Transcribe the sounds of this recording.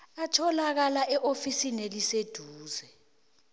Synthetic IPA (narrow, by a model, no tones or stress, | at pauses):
atʰɔlak̬alaʔɛʔofisinelised̥ʱuːzɛ